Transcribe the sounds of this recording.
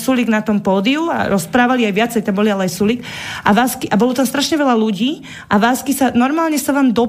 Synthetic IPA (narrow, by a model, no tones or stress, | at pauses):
suliɡnat̪ɔmpɔːd̪iua̰ɾɔspɾaːʋaliajʋɪat͡sɛjt̪ambɔlialɛajsulik | ʔa̰ʋaːskiʔabɔlɔt̪amst̪ɾaʃɲɛʋɛlaluɟiː | ʔaʋaːskisanɔɾmaːlɲɛsaʋaːmd̪ɔ